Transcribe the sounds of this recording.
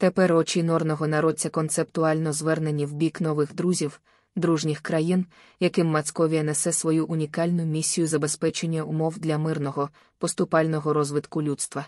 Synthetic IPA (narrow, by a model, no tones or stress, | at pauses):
t̪epɛrɔt͡ʃinɔrnɔɦɔnɐɾɔt͡sʲɐkɔnt̪se̞pt̪ʊɑlʲnɔzʋɛrne̞nʲiwbʲiknɔʋɪxd̪ɾuzʲiw | d̪ɾuʒnʲixkɾɐjin | jɐkɪmːɐskɔʋʲijɐnɛsɛsʋɔjuʔʊnʲikɑlʲnʊmʲisʲːijʊzɐbe̞spɛt͡ʃenʲːɐʊmɔwd̪lʲɐmɪrnɔɦɔ | pɔst̪ʊpɑlʲnɔɦɔɾɔzʋɪt̪kʊlʲut̪st̪ʋɐ